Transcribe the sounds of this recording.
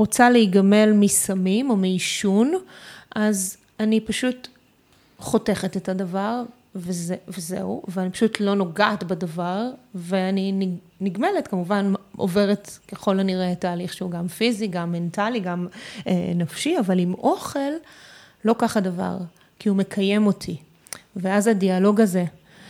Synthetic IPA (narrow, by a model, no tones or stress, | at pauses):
ʁot͡saleiɡame̞lmisamimo̞meiʃunʔaz | anipaʃut | χo̞te̞χetetadavaʁ | vezvezḛuveanipḁʃutʰlo̞no̞ɡaːtbadavaʁveanini | niɡme̞letkamuvanʔo̰ve̞ʁetke̞χo̞laniʁetaːliχʃeuɡamfiziɡamːe̞ntaliɡamʔḛnafʃiavalimʔo̞χe̞l | lo̞kaχadava̰ʁ | kiume̞kʰaje̞mo̞tʰi | veazadialo̞ɡaze̞